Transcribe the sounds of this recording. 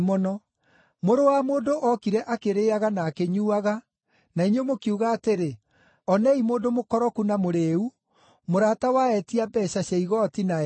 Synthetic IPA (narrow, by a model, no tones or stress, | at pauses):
mɔnɔ | moɾowamoːndoʔɔkiɾɛʔakeɾeːaɣanaːkeɲuːaɣa | naiɲomokiuɣaːteɾe | ɔnɛimoːdomokɔɾɔkunamoɾeu | moɾatawaɛtiabɛɕaɕaiɣɔtina